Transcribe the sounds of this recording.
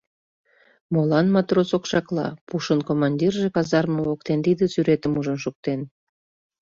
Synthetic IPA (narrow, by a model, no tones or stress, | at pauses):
molɑnmɑt̪rosokʃɑklɑ̰puʃənkomɑnʲdʲirʒekɑzɑrməokt̪ent̪id̪əsyɾet̪əmuʒənʃuk̚t̪en